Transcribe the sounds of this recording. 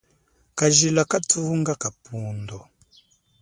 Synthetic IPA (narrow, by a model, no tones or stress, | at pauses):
kaʒilakatuŋɡakapuːndɔ